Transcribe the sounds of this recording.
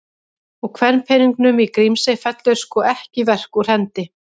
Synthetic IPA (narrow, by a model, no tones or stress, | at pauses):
ɔkʰvɛnnpʰɛniŋknʏmikɾimsɪfɛt̪lʏɾ̥skɔʔɛhcɪvɛr̥kur̥ɛnt̪ɪ